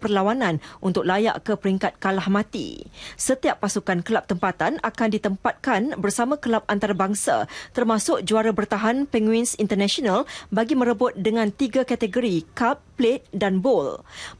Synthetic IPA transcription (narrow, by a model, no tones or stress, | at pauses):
pərlawanãnunt̪ʊk̚laja̰ʔkəpəɾiŋkat̪̚kalahmãt̪ḭsət̪iapːasukankəlap̚t̪əmpat̪anakandit̪əmpat̪̚kanbərsamãkəlap̚ant̪aɾabaŋsa̰t̪ərmãsʊk̚d͡ʒuaɾabərt̪aɦanpɛŋwinsint̪ərnãʃonalbaɡimə̃ɾəbʊt̪̚dəŋãnt̪iɡakat̪əɡoɾikap̚ːlet̪̚danbol